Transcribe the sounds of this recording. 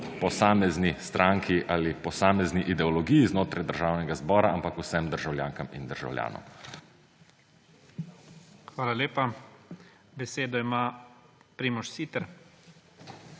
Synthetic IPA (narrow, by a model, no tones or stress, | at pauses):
pɔsaːmɛznist̪ɾaŋkʰiʔaːlipɔsaːmɛzniʔid̪ɛɔlɔɡijiznoːt̪ɾajd̪əɾʒaːwnɛɡazbɔːɾaampakusɛmd̪əɾʒawlja̰ːŋkamind̪əɾʒa̰wlʲja̰ːnɔ̰m | xʋaːlalʲeːpa | bɛseːd̪ɔimapɾiːmɔʃsiːt̪ɛɾ